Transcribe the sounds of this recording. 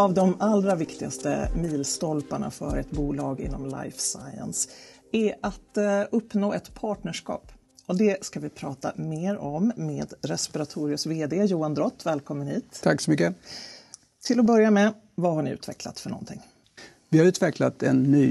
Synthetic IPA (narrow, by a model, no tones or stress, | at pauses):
avd̪ɔmalɾavɪkt̪ɪɡa̰st̪ə̰miːlst̪ɔlpaɳa̰fœ̰ɾɛt̪buːlɑːɡɪ̰nːɔmla̰jfsa̰jə̰ns | æɾat̪ɵpːnoːɛt̪pʰɑːʈɳəʂkɑ̰ːp | ɔd̪ɛskavɪpʰɾɑːt̪a̰meːɾɔmːeːd̪ɾɛspɪɾat̪ʰuːɾɪʊsveːd̪eːjuːand̪ɾɔt̪ːvɛːlkʰɔmːənhiːt̪t̪ʰaksɔmʏk̬ːə | t̪ʰɪlɔbœɾjamɛ | vaɦaɳɪʉ̟ːt̪ʰvɛkla̰t̪fœɳɔ̰nt̪ʰɪ̰ŋː | vɪhaɾʉ̟ːt̪vɛklat̪ɛ̰nːyː